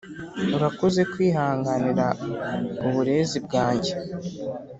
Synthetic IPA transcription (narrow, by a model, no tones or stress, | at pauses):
uɾakoze̞kwiːɦaːŋɡaniɾa | uβuɾe̞ːzib̚ɡaːɲɟe̞